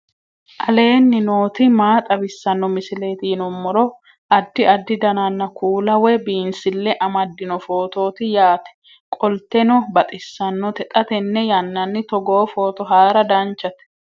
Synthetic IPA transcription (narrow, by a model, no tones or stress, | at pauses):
ʔɐle̞ːnːɪno̞ːt̪ɪmaːt̪ʼɐbɪsːɐnːɔmɪsɪle̞ːt̪inɔmːɔɾɔ | ʔɐd̪ːɪɐd̪ːɪd̪ɐnanːɐkʰuːlɐwɛbiːnsɪlːɛʔɐmɐd̪ːɪnɔfo̞ːt̪o̞ːt̪ɪjaːt̪ɛ̥ | kʼɔlt̪ɛnɔbɐt̪ʼɪsːɐnːɔt̪ɛt̪ʼɐt̪ɛnːɛjɐnːɐnːɪt̪ɔɡoːfoːt̪ɔɦaːɾɐd̪ɐnt͡ʃːɐt̪ɛ̥